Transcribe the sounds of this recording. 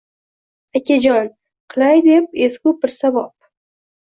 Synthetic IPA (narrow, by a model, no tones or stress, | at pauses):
akʲad͡ʒɒn | qʰɨlˠajd̪ep̚eskʲʊbɪɾsabɒp̚